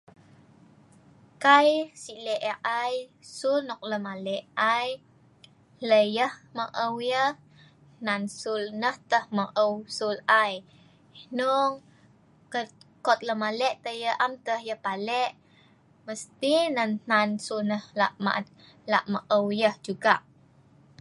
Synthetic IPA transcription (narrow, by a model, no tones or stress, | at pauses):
kajsiʔlɛʔəʔajsulnɔk̚ləmalɛʔaj | ləjəhməʔəwjəh | nansulnəht̪əhməʔəwsulaj | nɔŋ | kəkɔt̪̚ləmalɛʔt̪əjəʔamt̪əhjəhpalɛʔ | məst̪inənnansulnəhlaʔma̰ʔ̪ | la̰ʔməʔəwjəhd͡ʒuɡaʔ